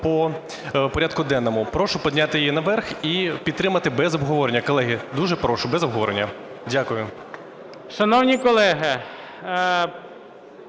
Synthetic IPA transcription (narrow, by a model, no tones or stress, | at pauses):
pɔ | pɔɾʲad̪̚kʊd̪ɛnːɔmʊpɾɔʃʊpɔdʲnʲat̪ɪjjinɐʋɛrxipʲid̪̚t̪ɾɪmɐt̪ɪbɛzɔbɦɔʋɔɾenʲːɐkɔlˠɛɦɪd̪uʒɛpɾɔʃʊbɛzɔbɦɔʋɔɾenʲːɐdʲakʊjʊ | ʃɐnɔwnʲikɔlˠɛɦɪ